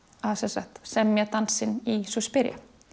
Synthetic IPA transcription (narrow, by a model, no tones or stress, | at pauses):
asɛnsaht̪sɛmːjɛt̪ansɪnisɔspɪɾja̰